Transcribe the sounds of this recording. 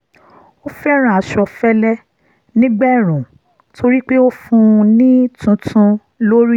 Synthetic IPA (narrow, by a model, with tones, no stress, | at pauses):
o˦fɛ˦ɾ̃ã˦˨a˨ʃɔ˧fɛ˦lɛ˦ | nĩ˦ɡ͡bɛ˦˨ɾ̃ũ˨ | tʰo˧ɾi˦k͡pe˦o˦fũ˧nĩ˦tũ˧tʰũ˧ | lo˦ɾi˦